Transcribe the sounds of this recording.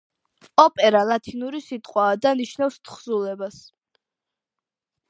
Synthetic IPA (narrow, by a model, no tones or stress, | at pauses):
ɔpʼɛɾalˠat̪ʰinuɾisit̪ʼqʼwaːd̪aniʃnafst̪χzulɛbas